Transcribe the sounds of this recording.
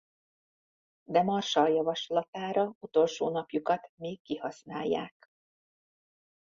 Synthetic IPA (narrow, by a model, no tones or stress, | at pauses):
d̪ɛmɒrʃɒljɒvɒʃlɒt̪aːɾɒut̪o̞lʃo̰ːnɒpjukɒt̪meːkːihɒsnaːjːa̰ːk